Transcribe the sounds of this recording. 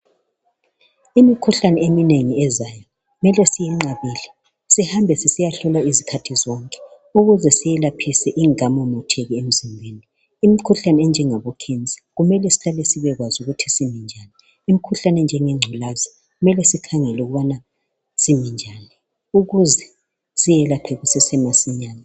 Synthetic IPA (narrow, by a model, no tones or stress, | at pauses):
imikʰuɬanɛemineŋiɛzajɔ | ɣumɛlɛsijɛŋ͡ǃaβiːlɛ | sihambʱɛsisijaɬɔlaizikʰatʰizɔŋkʼɛ̥ | uɣuzɛsijɛlapʰisɛʔiŋamɔmɔtʰɛɣiem̩zimbʱeːniː | mikʰuɬanɛɛnd͡ʒʱɛŋaβɔkʰend͡zʱʼi̥ɣumɛlɛsi̥ɣalesiβɛɣwazuɣutʰisimind͡ʒʱani | imikʰuɬanɛnd͡ʒʱɛŋɛŋ͡ǁʱɔlazɔ | ɣumɛlɛsikʰaŋɛlɛuɣuβana | simind͡ʒʱani | uɣuzɛ | sijɛlapʰɛɣusɛsɛmasiɲaːna